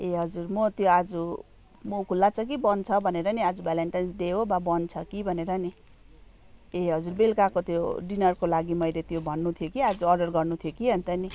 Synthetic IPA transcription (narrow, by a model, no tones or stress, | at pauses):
eɦʌd͡zurmʌt̪joad͡zu | mokʰulːat͡sʰʌk̬ibʌnt͡sʰʌbʱʌneɾʌniad͡zubaleɳʈans̬ɖeɦobabʌnt͡sʰʌkibʱʌneɾʌni | eɦʌd͡zurbelkakot̪joɖinʌrkolaɡimʌjlet̪jobʱʌnːut̪ʰjokiad͡zuʌɖʌrɡʌrnut̪ʰjokiɦʌnt̪ʌni